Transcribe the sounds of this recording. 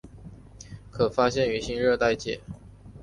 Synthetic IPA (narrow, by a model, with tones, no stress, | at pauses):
kʰɤ˨˩fa˥ɕjɛ˥˩ny˧˥ɕi˥nɻɤ˥˧t̪a˥˩ɪt͡ɕjɛ˨˩˦